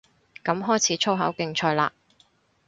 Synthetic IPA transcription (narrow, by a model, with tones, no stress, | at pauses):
kɐ˨˥mɦɔː˥jt͡sʰiː˨˥t͡ʃʰo˥wɦɐ̰˨˥wkɪ˧ŋt͡ʃʰɔː˧jla̰ː˧